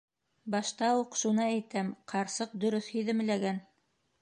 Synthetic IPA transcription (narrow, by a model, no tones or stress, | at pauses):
bɑʃt̪ɑuqʃunɑæjt̪æmqʰɑɾsɤq̚d̪ɵ̆ɾɵθhiðɘ̆m̆læɡæn